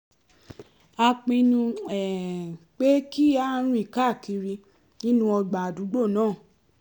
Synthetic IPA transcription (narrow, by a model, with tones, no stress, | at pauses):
a˧k͡pi˧nũ˧ɛ˨k͡pe˦ki˦a˦ɾ̃ũ˦i˨ka˦˨ki˧ɾi˧ | nĩ˦nũ˦ɔ˧ɡ͡ba˨du˨˦ɡ͡bo˦˨nãː˦˨